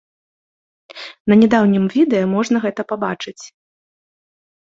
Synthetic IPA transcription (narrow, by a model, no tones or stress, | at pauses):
nɐnʲɛd̪awnʲimvʲid̪ɛjɐmɔʐnɐɣɛt̪ɐpabat͡ʂɨt͡sʲ